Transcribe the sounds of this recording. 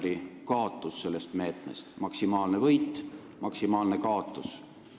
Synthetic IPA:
ɾikɑot̪ˑːusːe̞lːe̞st̪me̞ːt̪ˑnest̪mɑksimɑːlne̞vɤjt̪ː | mɑksimɑːlne̞kɑːot̪ːˑus

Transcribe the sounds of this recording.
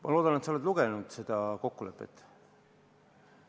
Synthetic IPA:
mʔɑ̰loːd̪̥ɑnet̪sɑoled̪luɡ̥enud̪̥se̞d̪̥ɑko̞kːule̞pːˑe̞̰t̪ːˑ

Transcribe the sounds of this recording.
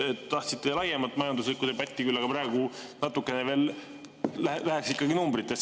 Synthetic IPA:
et̪ːɑht̪sit̪ːˑelɑjemɑt̪ːˑmɑjɑnd̪uslikːˑud̪epɑt̪ʲːikylːɑɡ̥ɑpɾɑeɡ̥unɑt̪ːˑukːˑe̞neve̞ːl | lælæheksikːˑɑɡinumbɾit̪ːˑe̞s

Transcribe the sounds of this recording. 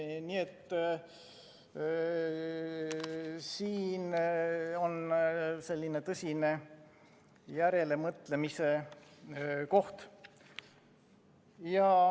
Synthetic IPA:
niet̪ː | siːn | o̞nse̞lʲːine̞t̪ɤsʲine̞ | jæɾe̞le̞mɤt̪le̞mise̞ | ko̞ht̪ | jɑ

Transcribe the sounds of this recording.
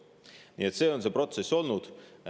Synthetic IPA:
niːet̪seːonsepɾo̞t̪sesʲo̞lnuːd̪

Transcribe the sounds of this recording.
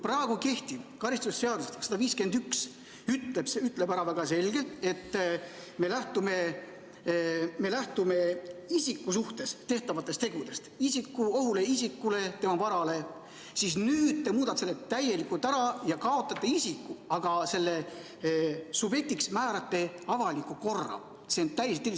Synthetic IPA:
pɾɑeɡ̥uke̞ht̪iv̥kɑɾist̪usse̞ɑd̪ust̪e̥sɑd̪̥ɑviːske̞nd̪yks | yt̪lebsyt̪ːˑle̞bæɾɑvæɡ̥ɑse̞lɡe̞lt̪ˑe̞t̪ː | me̞læht̪ume̞ | me̞læht̪ume̞isikːusuht̪e̞st̪e̞ht̪ɑvɑt̪ːˑest̪e̞ɡud̪̥e̞st̪isikːuoɦuleisikːˑule̞t̪e̞mɑvɑɾɑle̞ | sisnyːd̪̥t̪ːemuːd̪ɑt̪seːet̪æje̞likult̪æɾɑjɑkɑo̞t̪ːˑɑt̪ːeisikːuɑɡ̥ɑse̞lːe̞ | sube̞t̪ːˑiksmæːɾɑt̪ːe̞ɑvɑlikːˑuko̞rːɑ̰ | se̞ont̪æjeset̪ːei

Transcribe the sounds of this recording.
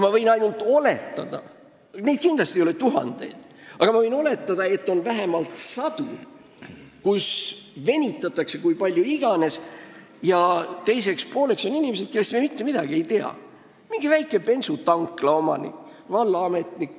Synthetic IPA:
mɑvɤ̞jnɑjnult̪ːˑo̞le̞t̪ːˑɑd̪̥ɑ̰ | ne̞d̪̚kind̪̥lɑst̪ijole̞t̪uɦɑ̰nd̪̥e̞̰jd̪̥ | ɑɡ̥ɑmɑvɤ̞jno̞le̞t̪ːˑɑd̪̥ɑe̞t̪ːˑo̞nvæɦemɑlt̪sɑd̪̥ṵ | kusve̞nʲit̪ːˑɑt̪ːˑɑkse̞kujpɑlʲjuiɡ̥ɑne̞s | jɑt̪e̞jse̞kspo̞ːle̞kso̞ninimese̞d̪̥̚ke̞lːest̪memit̪ːe̞mid̪̥ɑɡ̥ie̞jt̪e̞ɑ̰ | miŋɡ̥ivæjkːˑe̞pe̞nsut̪ɑŋkˑlɑo̞mɑ̰nḭkːvɑlːɑɑme̞t̪nik

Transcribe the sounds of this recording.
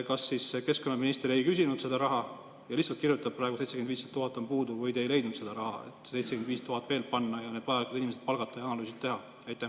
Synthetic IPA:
kɑsːisseke̞sko̞nːɑminist̪eɾe̞jkys̬ʲinud̪̥se̞d̪ɑɾɑɦɑ | jɑliçsɑlt̪̚kirjut̪ːˑɑb̥̚prɑˑeɡuse̞jt̪se̥end̪viːset̪ːuɦɑt̪ːˑompuːd̪uvɤjd̪e̞jle̞jd̪nud̪se̞d̪̥ɑɾɑɦɑ̰ḛt̪ːˑse̞jt̪seɡend̪viːst̪uɦɑt̪ːˑve̞ːlpɑnːɑjɑned̪̥pɑjɑlikud̪inimese̥pɑlɡ̥ɑt̪ːˑɑjɑɑnɑlyːs̬it̪t̪e̞ɦɑ | ɑjt̪ːæ

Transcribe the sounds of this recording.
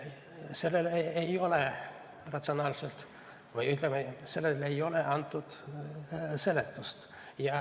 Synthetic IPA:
se̞lːelejo̞le | rɑt̪sio̞nɑːlselt̪ | vɯjyht̪lɛmese̞lːelejo̞leʔɑnt̪ːud̪̥ | se̞let̪ːust̪ | jɑ

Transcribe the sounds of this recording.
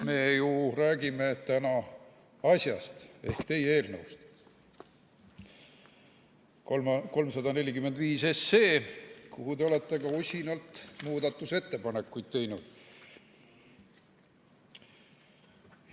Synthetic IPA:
me̞ːjuræːɡime̞t̪ænɑ | ɑsʲjɑ̰st̪e̞hkt̪e̞jee̞ːlnewst̪ | ko̞lmsɑd̪ɑne̞lʲikymːend̪viːse̞sːe̞ːkuɦut̪e̞ole̞t̪ːˑeɡɑosʲinɑlt̪muːd̪ɑt̪ːˑuse̞t̪ːe̞pɑne̞kːˑujd̪̥̚t̪e̞jnud̪̥

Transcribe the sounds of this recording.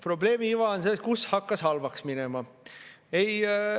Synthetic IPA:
pro̞ble̞ːmiivɑonset̪kushɑkːɑshɑlvɑksminemɑ | ej

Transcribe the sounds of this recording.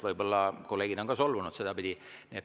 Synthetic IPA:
vɤjbo̞lːɑkolːe̞ːɡ̥id̪̥o̞ŋkɑso̞lvunud̪se̞d̪̥ɑpid̪̥ʲi | niet̪

